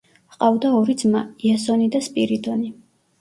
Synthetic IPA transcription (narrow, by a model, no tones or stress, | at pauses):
qʼavd̪aɔɾid̪zmaiasɔnid̪aspʼiɾid̪ɔni